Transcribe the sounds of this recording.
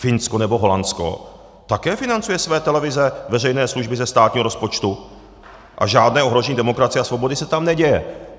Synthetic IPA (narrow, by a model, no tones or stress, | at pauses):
fɪnskonɛbo̞ɦo̞lansko̰ | t̪akɛːfɪnant͡sujɛsvɛːt̪ɛlɛvɪzɛvɛrɛjnɛːsluʒbɪzɛst̪aːt̪ɲiːɦoɾo̞spo̞t͡ʃt̪u | ʔa̰ʒaːdnɛːo̞ɦɾo̞ʒɛɲiːdɛmo̞kɾat͡sɪjɛasvo̞bo̞dɪsɛt̪amnɛɟɛjɛ